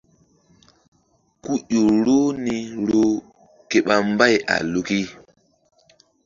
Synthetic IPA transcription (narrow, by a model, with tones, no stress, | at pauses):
ku˦ɗo˨ɾo˦ni˨ɾo˦ | ke˨ɓa˦mba˦˨ja̰˨lu˨ki˦